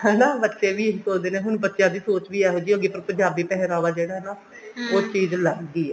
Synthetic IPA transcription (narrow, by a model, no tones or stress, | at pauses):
hɛːnaːbətːʃeːʋiːɪsoːd̪eːnẽːɦʊɳbətːʃjãːd̪iːsoːt͡ʃʋiːɛːɦoːd͡ʒiːoɡeːpəɾpəɲd͡ʒaːbiːpɛɦɾaːʋaːd͡ʒeːɽaːɦɛːnaː | oːt͡ʃiːzləɡɡ̪iːɛː